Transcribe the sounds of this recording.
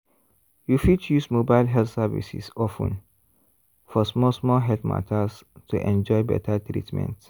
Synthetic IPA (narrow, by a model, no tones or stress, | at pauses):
jufid̚tjusmobaɪlɦɛltsɛvḭsḭsɔfə̰̃n | fɔsmɔlsmɔlɦɛltma̰tʰəs | tʰuʔɛ̰̃nd͡ʒɔjbɛ̰tʰətʰɾḭtmɛ̰̃nt